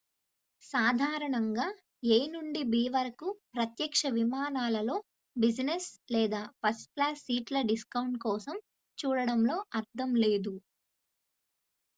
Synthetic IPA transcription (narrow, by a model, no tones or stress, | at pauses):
saːd̪ʱaːɾɐɳɐŋɡaː | eːnuɳɖibiːʋɐɾɐkupɾɐt̪jɐkʂɐʋimaːnaːlɐlo̞ː | bid͡ʒneslɛːd̪aːpɐsplaːsːiːʈlɐɖiskɐwɳʈkɔːsɐm | t͡ʃuːɽɐɽɐmlo̞ːʔɐɾt̪ːɐmle̞ːd̪u